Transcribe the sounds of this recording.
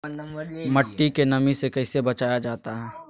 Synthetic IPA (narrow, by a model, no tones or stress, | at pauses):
mɐʈːikenɐmisekɐɪsebɐt͡ʃaːjad͡ʒaːt̪aɦɛː